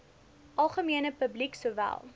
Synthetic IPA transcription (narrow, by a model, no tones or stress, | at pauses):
ʔɐlˠχəmiənəpəbliksuəːvæ̰lˠ